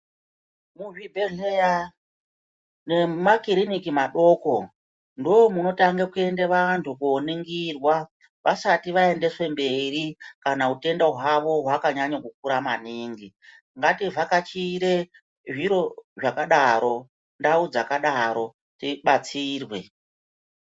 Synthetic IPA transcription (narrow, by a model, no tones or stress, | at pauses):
muʐibʱeɮeja | ne̞makiɾinikimaɗo̞ːko̞ | ndoomuno̞taŋɡekue̞ndeʋantʰukuoniŋɡirwa | ʋʔasatiʋae̞nde̞swe̞mbe̞rikanaute̞ndaɦwaʋo̞ɦwakaɲaɲokuk̚uɾamaniːŋɡi | ŋɡativakat͡ʃiɾe | ʐiɾo̞ʐakaɗaɾo̞ | ndaud͡zakaɗaɾo̞ | tiɓat͡siːrwe̞̰